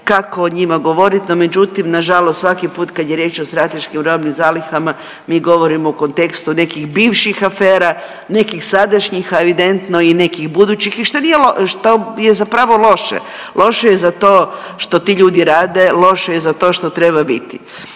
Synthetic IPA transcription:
kakoːɲimaɡo̞ʋo̞ɾit̪nomed͡ʒut̪imnaʒalost̪sʋakipuːt̪kad̪jeɾje̞ːt͡ʃost̪ɾat̪eʃkimɾomnimzaːlixama | miːɡo̞ʋoɾimouko̞nt̪e̞kst̪une̞kixbiːʋʃixafeːɾa | ne̞kixsad̪aʃɲixaeʋid̪ent̪noine̞kiɣbud̪uːt͡ɕixiʃt̪onijeloʃt̪ojezapɾaʋo̞lo̞ʃḛ | lʔo̞ʃejezat̪oː | ʃt̪o̞t̪iːʎuːd̪iɾaːd̪e̞lˠo̞ʃejezat̪o̞ːʃt̪ot̪ɾeβabit̪i

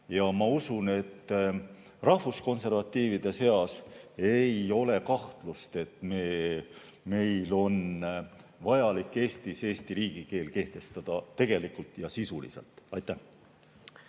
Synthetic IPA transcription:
jɑmɑusune̞t̪ː | rɑhvusko̞nse̞rvɑt̪ˑːiːvid̪̥e̞se̞ɑse̞jo̞le̞kɑht̪lust̪e̞t̪meː | me̞jlo̞n | vɑjɑlikːˑe̞ːst̪ise̞ːst̪iɾiːɡ̥ike̞ːlke̞ht̪e̞st̪ɑd̪̥ɑt̪e̞ɡ̥e̞likult̪ˑjɑsisulḭse̞̰lt̪ˑɑjt̪ˑːæh

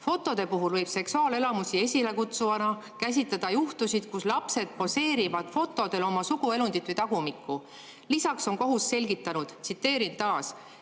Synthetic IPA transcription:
fo̞t̪ːˑo̞d̪̥e̞puɦulvɤjb̥se̞ksuɑːle̞lɑmusie̞sʲile̞kut̪suɑnɑ | kæs̬ʲit̪ːˑɑd̪̥ɑjuht̪usʲid̪̥kuslɑpse̞d̪̥̚po̞se̞ːɾivɑd̪̥fo̞t̪ːˑo̞d̪̥e̞lo̞mɑsuɡ̥ue̞lund̪it̪ːˑvɨjt̪ɑɡ̥umikˑːu | lisɑkso̞ŋko̞ɦusːe̞lʲɡit̪ːˑɑnud̪̥t̪sit̪ːe̞ːɾint̪ɑːs

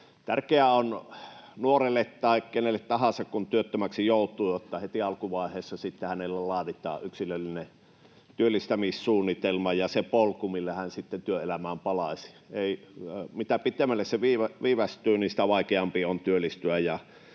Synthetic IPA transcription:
t̪ærkeæonnuorelːet̪t̪ɑˑekkenelːet̪tɑhɑsɑkkunt̪yøt̪ːømæksijoˑut̪ˑuːjot̪ːɑhet̪iɑlkuʋɑˑehˑeːsːɑsit̪ːehænelːælɑːrit̪ˑɑ̰ːʔʔyksilølːine | t̪yølːˑist̪æmissuːnːit̪elmɑjɑsepolkumilːæhænsit̪ːent̪yøelæmæːmpɑlɑsi̥ | eˑimit̪æpit̪emːˑælːesseʋiːʋæʋiːʋæst̪ˑyːnisĭ̥t̪æʋɑˑikeɑmpiont̪yølːˑist̪yæjɑ

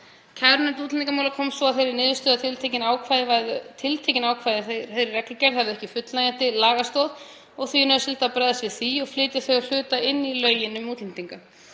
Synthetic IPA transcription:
cʰɛɾnɛnt̪uːt̪lniŋkamawlakʰɔmsvɔaðθejɾɪɾnɪːðʏst̪œːðat̪ʰɪlt̪ʰecɪnaːwkʰvaːðɪvaðt̪ʰɪlt̪ʰejcɪnaːwkʰvaːjðɪθθejɾɪrːɛklɪcɛɾ̥θavðʏɛhcɪfʏt̪lajan̥t̪ɪlaːɣast̪ɔð | ɔɣθinœːʏsɪlt̪aːpɾɛːðasvɪθiɔɣflɪːt̪jaθœɥɣal̥ʏːt̪aɪnːilœːɥjɪnʏmuːt̪lɪnt̪iŋka

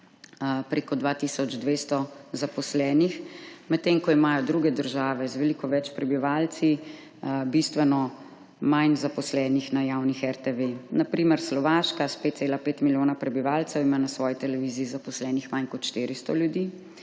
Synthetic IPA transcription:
pɾeːkɔd̪ʋat̪isɔd͡ʒd̪ʋeːst̪ɔzapɔslɛːnixmɛt̪ːeːŋkɔimaːjɔd̪ɾuɡɛd̪əɾʒaːʋɛzʋɛlikɔʋɛt͡ʃpɾɛbiʋaːlt̪si | bist̪ʋɛnɔ | majnzapɔslɛːnixnajaːwnixɛɾt̪eʋenapɾiːmɛɾslɔʋaːʃkaspet̪t̪seːlapeːt̪miljoːnapɾɛbiʋaːlt̪sɛwimaːnasʋɔːjit̪ɛlɛʋiːziːzapɔslɛːnixmajnkɔt̪ʃt̪iːɾist̪ɔ̰ljud̪iː

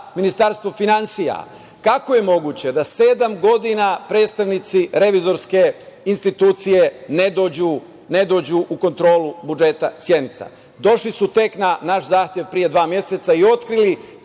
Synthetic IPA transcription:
minist̪aɾst̪ʋo̞finansija̰ | kako̞je̞mo̞ɡut͡ɕe̞d̪ase̞ːd̪amɡo̞d̪inapɾeːd̪st̪aʋnit̪siɾe̞ʋizo̞ɾske̞inst̪it̪uːt̪sije̞ned̪oːd͡ʑu | ne̞d̪o̞ːd͡ʑuʔuko̞nt̪ɾo̞ːlubud͡ʒe̞t̪asje̞d̪nit̪sa̰ | d̪o̞ʃlisut̪e̞knanaʃzaːxt̪je̞ʋpɾije̞d̪ʋaːmje̞set̪saio̞t̪kɾili

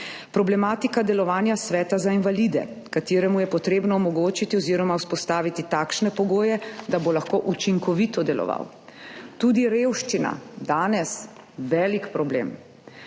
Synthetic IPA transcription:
pɾɔblɛmaːt̪ikad̪ɛlɔʋaːnjasʋɛːt̪azainʋaliːd̪ɛ̰ | kat̪iːɾɛmujɛpɔt̪ɾeːbnɔːmɔɡoːt͡ʃit̪iɔziːɾɔmauspɔst̪aːʋit̪it̪aːkʃnɛpɔɡoːjɛd̪abolaxkoːʔut͡ʃiŋkɔʋit̪ɔd̪ɛlɔ̰ʋa̰w | t̪uːd̪iɾeːwʃt͡ʃina̰d̪aːnɛs | ʋɛːlikpɾɔblḛːm

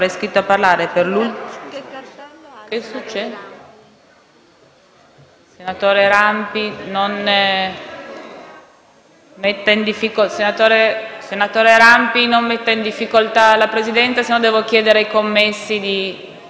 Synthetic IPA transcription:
ɾɛjskɾit̪ːoapːarlaːɾeperluj | kesut͡ʃːɛd̪ | senat̪oːɾeɾampinon | met̪ːaind̪ifːikosenat̪oːɾesenat̪oːɾeɾampinommet̪ːaind̪ifːikolt̪alapɾezid̪ɛnt̪sasenɔnd̪ɛːvokjɛːd̪eɾeajkomːesːid̪i

